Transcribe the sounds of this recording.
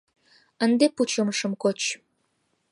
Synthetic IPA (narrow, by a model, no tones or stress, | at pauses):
ənd̪eput͡ɕoməʃəmkot͡ɕ